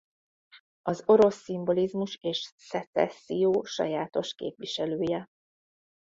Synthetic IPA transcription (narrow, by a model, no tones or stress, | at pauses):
ɒzo̞ɾo̞sːimbo̞lizmuʃeːʃsɛt̪sɛ̰sːijoːʃɒ̰jaːt̪o̞ʃkḛːpʋiʃɛløːjɛ